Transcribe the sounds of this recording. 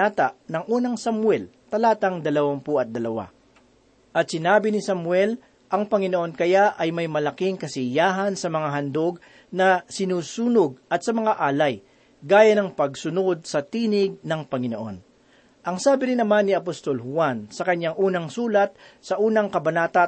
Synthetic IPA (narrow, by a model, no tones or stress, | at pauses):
aːt̪ɐʔnɐŋʔuːnɐŋsɐmwɛl | t̪ɐlaːt̪ɐŋd̪ɐlɐwampuʔɐt̪̚d̪ɐlɐwa̰ | ʔɐt̪̚sɪnaːbɪnɪsɐmwɛl | ʔɐŋpɐŋɪnoʔo̞nkɐjaʔɐjmɐjmɐlɐkɪŋkɐsɪjaːɦɐnsɐmɐŋaɦɐnd̪oɡ̚ | nɐsɪnuːsuːnoɡ̚ɐt̪̚sɐmɐŋaʔaːlɐj | ɡaːjɐnɐŋpɐɡ̚sʊnod̪̚sɐt̪iːnɪɡ̚nɐŋpɐŋɪno̞ʔo̞̰n | ʔɐŋsaːbɪɾɪnːɐmanːɪɐpost̪o̞lhʊwansɐkɐɲːaŋʔuːnɐŋsuːlɐt̪̚sɐʔuːnɐŋkɐbɐnaːt̪a